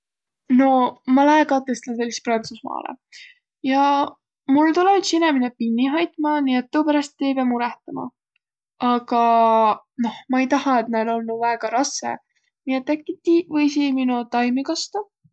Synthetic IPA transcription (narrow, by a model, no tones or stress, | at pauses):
no̞mɑlɑekɑt̪ːˑe̞st̪ɑnse̞lːist̪prɑnt̪susmɑ̰ːlḛ | jɑ | mult̪uled̪sineminepinʲːiɦɑjt̪ˑmɑniːe̞t̪ːoːpæɾɑst̪ːejpeɑmuɾɛht̪ɑmɑ̰ | ɑɡ̥ɑ | no̞hmɑejt̪ɑhɑe̞t̪̚nɑlo̞lnuvæːɡ̥ɑɾɑsːḛ | niːe̞t̪ːˑækːit̪ːˑivɤjsiminut̪ɑjmikɑst̪ɑ